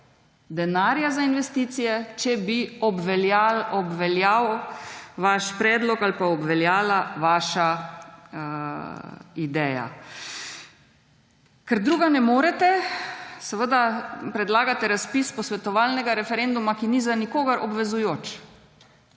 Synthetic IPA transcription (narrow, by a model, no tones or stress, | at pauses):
d̪ɛnaːɾjazainʋɛst̪iːt̪sijɛt͡ʃɛbiɔbʋɛljalɔbʋɛljaw | ʋaʃpɾɛːd̪lɔkalpaɔbʋɛljaːlaʋaːʃa | id̪ɛːja̰ | kɛɾd̪ɾuːɡanɛmoːɾɛt̪ɛ | sɛʋəd̪apɾɛd̪laːɡat̪ɛɾaspispɔsʋɛt̪ɔʋalnɛɡaɾɛfɛɾɛnd̪umakinizanikoːɡaɾɔbʋɛzujoːt͡ʃ